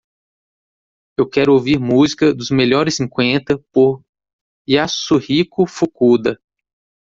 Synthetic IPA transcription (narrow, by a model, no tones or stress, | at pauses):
ewkɛɾʊowviɾmuzikɐd̪ʊzmeʎɔɾɪsːĩkwẽnt̪ɐpoɾ | jasuhikʊfukud̪ɐ